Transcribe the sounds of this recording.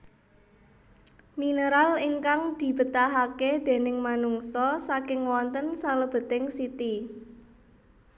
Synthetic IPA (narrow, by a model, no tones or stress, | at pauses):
minəɾalɪŋkaŋd̪̥i̤b̥ə̤t̪aɦaked̪̥e̤nɪŋmanuŋsɔsakɪŋwɔnt̪ənsaləb̥ə̤t̪ɪŋsit̪i